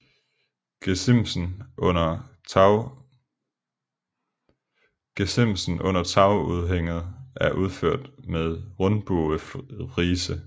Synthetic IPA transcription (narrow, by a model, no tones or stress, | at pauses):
mn | ɡ̥esem̰sn̩ʔɔ̽n̰ɐt͡sʰɑ̈ʊuð̞ˠɦeŋ̰ð̩ˠʔæɐʔuð̞ˠføɐ̰d̥meðˠʁɔnb̥oəʁiːsə